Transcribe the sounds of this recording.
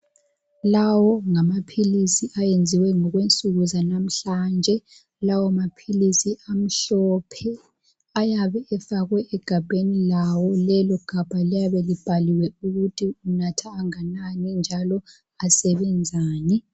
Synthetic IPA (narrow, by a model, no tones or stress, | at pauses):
lawɔŋamapʰilisiʔajend͡zʱiwɛŋɔɣwent͡sʼuɣuzanam̩ɬaːnd͡ʒʱɛ | lawɔmapʰilisiʔam̩ɬɔpʰɛ | ajaβɛɛfaɣwɛʔɛɡ̥ʱab̥ʱenilawɔlɛlɔɡ̥ʱab̥ʱalijaβɛlib̥ʱaliwɛuɣutʰiunatʰaːŋananind͡ʒʱalɔ | asɛβɛnd͡zʱaːnɛ